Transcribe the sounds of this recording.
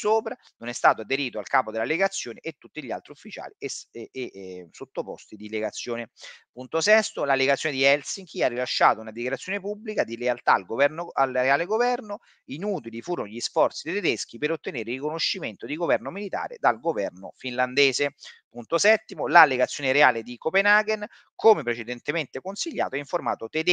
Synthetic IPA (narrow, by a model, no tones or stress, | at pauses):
soːpɾa | nonɛst̪aːt̪oad̪eɾiːt̪oalkaːpod̪elːaleɡat̪sːjoːneʔet̪ːut̪ːiʎia̰lt̪ɾiufːit͡ʃa̰ːli | sot̪ːopɔ̰st̪id̪ileɡat̪sːjoːnepunt̪osɛst̪olalːeɡat̪sjoned̪iɛlsiŋkiarːilaʃːaːt̪ounad̪ikjaɾat̪sːjoːnepubːlikad̪ilealt̪aːlɡovɛnoalalɡovɛrno | inuːt̪ilifuːɾonoʎisfɔrt̪sid̪et̪ed̪esk̟ipeɾot̪ːeneːɾerikonoʃːiment̪od̪iɡovɛrnomilit̪a̰ːɾḛd̪alɡovɛrno̰finland̪eːzepunt̪osɛt̪ːimolalːeɡat̪sːjoneɾeaːled̪ikopenaɡen | komepɾet͡ʃed̪ent̪ement̪ekonsiʎːa̰ːt̪oɛiɱforma̰ːt̪ot̪ed̪